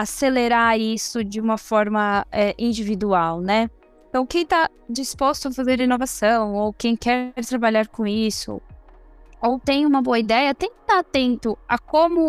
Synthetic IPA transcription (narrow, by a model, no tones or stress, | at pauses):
aseleɾaɾisʊd͡ʒɪũmɐfɔɾmɐɛʔĩd͡ʒivid̪uawnɛ | ẽt̪ɐ̃w̃kẽj̃t̪a | d͡ʒispost̪ʊɐfazeɾhenovasɐ̃w̃owkẽj̃kɛɾt̪ɾabaʎaɾkõisʊ̰ | owt̪ẽj̃ũmɐboɐid̪ɛjɐt̪ẽj̃kt̪aat̪ẽnt̪ʊakõmʊ